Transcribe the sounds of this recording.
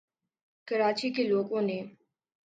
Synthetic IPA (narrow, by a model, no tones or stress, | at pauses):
kəɾaːt͡ʃikeloːkõneː